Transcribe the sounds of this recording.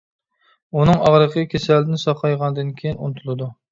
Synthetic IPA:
unɨŋɑʁɾəqʰəkʲʰesæld̪ɪnsɑqʰɑjʁɑnd̪ɨnkʲʰejinṵnɨt̪ʰulˠɨd̪u

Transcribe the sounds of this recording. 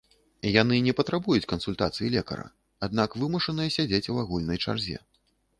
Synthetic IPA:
janɨnʲɛpɐt̪ɾabujut͡sʲkɐnsulʲt̪at̪sɨjilʲɛkɐ̰ɾɐ̰ | ad̪nakvɨmuʂɐnɨjɐsʲad͡zʲet͡sʲwaɣulʲnɐjt͡ʂa̰rzʲɛ̰

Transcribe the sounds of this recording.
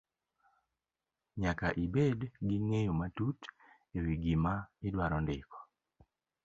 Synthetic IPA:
ɲakaʔibedɡiŋejomatut | ewiɡimaɪdwaɾɔndɪkɔ̥

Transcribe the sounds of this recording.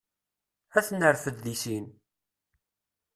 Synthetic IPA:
æθənːəɾfəðlisin

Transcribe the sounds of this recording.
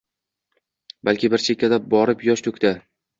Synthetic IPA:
balkʲɪbɪɾt͡ʃʰekʲːad̪abɒɾɪpjɒʃt̪ʰɵkʲd̪a

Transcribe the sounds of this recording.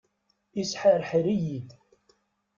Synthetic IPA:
isħaɾħɾijid̪

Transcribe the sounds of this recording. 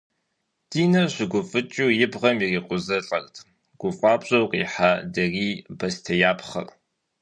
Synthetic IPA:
d̥iːnɐɕʷɪɡʷʊfʼɨt͡ʃʼuːjɪbʁɐmiriːqʷʼʊzɐɬʼɐrtʰ | ɡ̥ʷʊfʼaːbɕʼɐwqʼḭːħaːdɐriːbɐstʰɐjaːpʰχɐ̰r

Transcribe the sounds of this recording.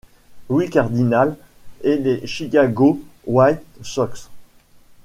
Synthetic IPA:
wikaʁd̪inal | edeʃikaɡowajt̪sɔks

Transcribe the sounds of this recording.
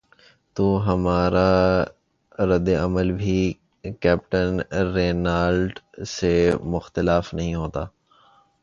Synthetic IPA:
t̪uːɦɐmaːɾa | ɾɐd̪ːeəməlbʱi | kɛːp̚ʈənɾeːnaːlɖ | semʊxt̪ɪlaːfnɐɦĩɦoːt̪aː

